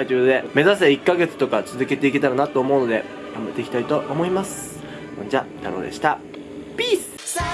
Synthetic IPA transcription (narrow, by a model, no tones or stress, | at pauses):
ait͡ɕɨːod̪e̞me̞zaseikːaɡe̞t͡sɨ̥t̪o̞kat͡sɨzɨke̞t̪e̞ike̞t̪aɾanat̪o̞ːmo̞ɯ̟no̞d̪e̞ | amɯt̪ːe̞ikʲi̥t̪ait̪o̞ʔomo̞imasɨ̥ | õɲd͡ʑat̪aɾo̞̰ːd̪e̞̰ɕi̥t̪a | pʲiːsɨ̥